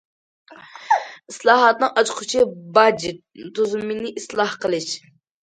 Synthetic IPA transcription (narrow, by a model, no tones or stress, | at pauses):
islˠɑːɦɑt̪nɨŋʔɑt͡ʃʰqʰʊt͡ʃʰibɑd͡ʒi | t̪ʰuzumːinɪʔislˠɑhqəlˠɨʃ